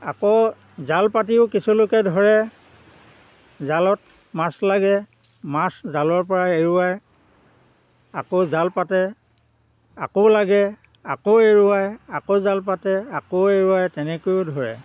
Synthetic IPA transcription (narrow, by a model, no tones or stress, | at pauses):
a̰ko | zalpatiʊkisulʊkɛdʱɔɹɛ | zalɔt̚ | maslaɡɛ | maszalɔɹp̬ɔɹaeɹuaj | akozalpatɛ | a̰kowlaɡɛ | akoeɹʊajakozalp̬atɛakoeɹuajtɛnɛkojʊdʱɔɹɛ̰